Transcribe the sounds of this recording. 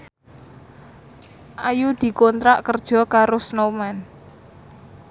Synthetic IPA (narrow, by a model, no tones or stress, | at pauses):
ʔajud̪̥i̤kɔnt̪ɾaʔkərd̥ʒ̥ɔ̤kaɾosnomɛn